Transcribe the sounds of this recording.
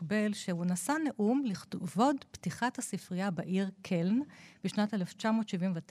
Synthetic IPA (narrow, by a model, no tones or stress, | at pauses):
be̞lʃeunasaneʔumliχtvo̞dptiχathasifʁijabeʔiʁkʰelnb̥iʃnateleft͡ʃamo̞ːtʃivimvet